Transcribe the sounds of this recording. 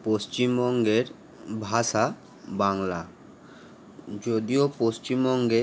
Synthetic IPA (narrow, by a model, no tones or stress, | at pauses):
post͡ɕimbɔŋɡeɾ | bʱaʃa | baŋla | d͡ʑod̪iopost͡ɕimbɔŋɡe